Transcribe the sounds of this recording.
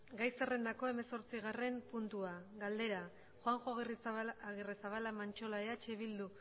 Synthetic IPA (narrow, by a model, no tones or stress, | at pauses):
ɡajsere̞nd̪ako̞e̞me̞so̞ɾt͡siɣare̞mpunt̪uaɡald̪e̞ɾa | xoaŋʝoɣiriɣirisaβalamant͡ʃo̞laeat͡ʃe̞βild̪u